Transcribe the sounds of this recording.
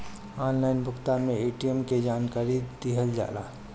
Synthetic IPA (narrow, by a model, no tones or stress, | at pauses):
aːnlaɪnbʊkʰt̪aːɾmẽeːʈijəmked͡ʒaːnkaːɾid̪iɦəld͡ʒa̰ːla̰ː